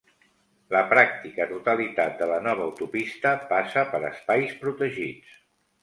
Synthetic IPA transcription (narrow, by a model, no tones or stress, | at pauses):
ləpɾak̚t̪ikət̪ut̪əlit̪at̪̚d̪ələnɔβ̞əːwt̪upist̪əpasəpəɾə̰spajspɾut̪əʒit͡s